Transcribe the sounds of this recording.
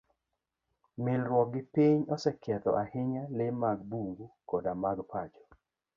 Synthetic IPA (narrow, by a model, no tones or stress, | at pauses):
mɪlɾwɔɡɪpiɲɔsɛkɛt̪ɔ̰ʔahɪɲalɪmaɡbuŋɡukɔdamaɡpad͡ʒɔ̥